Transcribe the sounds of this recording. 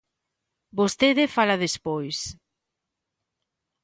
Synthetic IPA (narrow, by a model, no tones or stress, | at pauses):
bost̪eðefalaðespojs